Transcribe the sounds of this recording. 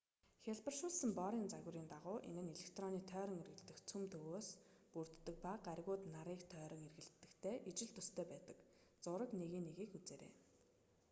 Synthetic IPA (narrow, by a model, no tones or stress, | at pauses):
xʲaɮpə̆rʃʊːɮsə̆mpɔɾiːnt͡saɣ̆ʲɾiːnt̪aʁʊːʔḛnɘ̆neɮekʰt̪rɔniːt̪ʰœːɾɞ̆ŋɵrɣɘ̆ɮt̪ɘ̆xt͡sʰɵmt̪ʰɵɣoːspur̥t̪ːə̆k̚paqarɣʊːt̪naɾiːkt̪ʰœːɾɞ̆ŋerɣɘ̆ɮt̪ːɘ̆kt̪ʰeːʔit͡ɕɪ̆ɮt̪ʰɵst̪ʰeːpæːt̪ə̥̆k | t͡sʊɾə̆k̪neɣiːnːeɣiːkut͡seːɾḛː